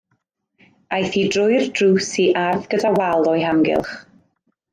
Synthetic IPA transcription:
ajθidrʊjrdruːsiʔarðɡədawalˠɔjɦamɡɪ̰lˠχ

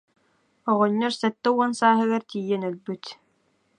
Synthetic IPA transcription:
ɔʁɔɲːɔɾsɛt̪ːɛuɔnsaːɦɯɡaɾt̪iːjːɛnœlbyt̪

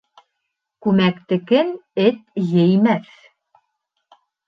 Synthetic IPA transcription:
kʉmækt̪ɘ̆kɘnɘt̪̚jɘ̆jmæθ

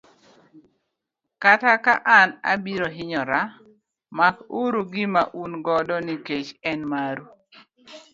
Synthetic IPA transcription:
katakaʔana̰biɾɔɦɪɲɔɾa | makuɾuɡɪmaʔunɡɔdɔniket͡ʃɛnmaɾu

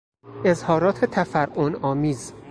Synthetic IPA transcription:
e̞zhɒːɾɒːt̪ʰet̪ʰæfæɾʔonɒːmiːz

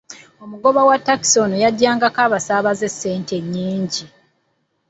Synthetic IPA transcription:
o̞muɡo̞βawatːaki̥sonujaɟːaːŋɡakaːβasaːβaze̞sːe̞ːnte̞ɲːiːɲɟi

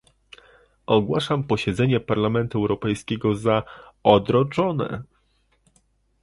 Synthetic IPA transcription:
ʔɔɡwaʂampɔɕɛd̪zɛɲɛpaɾlamɛnt̪uɛwɾɔpɛjskʲɛɡɔzaɔd̪ɾɔt͡ʂɔnɛ̰

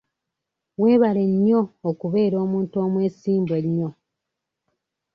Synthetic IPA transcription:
we̞ːβale̞ɲːo̞ːkuβe̞ːɾo̞ːmuːnto̞ːmwe̞ːsiːmbwe̞ɲːo̞

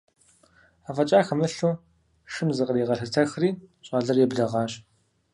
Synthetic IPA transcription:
aːfɐt͡ʃʼaːxɐmɨɬuː | ʃɨmzɨqʼəriʁɐɬɨtʰɐxriːɕʼaɮɐrjɛbɮɐʁɑːɕʼ

